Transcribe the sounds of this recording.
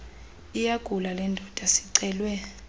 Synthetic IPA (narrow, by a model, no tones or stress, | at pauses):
ijaɡ̥ʱulalɛndʱɔd̥ʱasi̥ǀɛːlwɛ